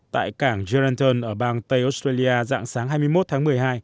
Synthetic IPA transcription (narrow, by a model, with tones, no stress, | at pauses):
t̪a̰ː˧˨jkaː˧˩ŋzi˧a˧nt̪ə˧nʔəː˧˩ɓaː˧ŋt̪ə˧jʔo˨˦˥stɾe˧li˧ʔaː˧za̰ː˧˨ŋsaː˨˦ŋɦaː˧jmɨ˧jmo˦˥t̪̚ʰaː˨˦ŋmɨ˨˩əjɦaː˧j